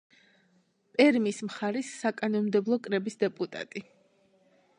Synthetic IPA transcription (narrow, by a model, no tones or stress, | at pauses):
pʼɛɾmismχaɾisːakʼanɔnmd̪ɛblˠɔkʼɾɛbisd̪ɛpʼut̪ʼa̰t̪ʼi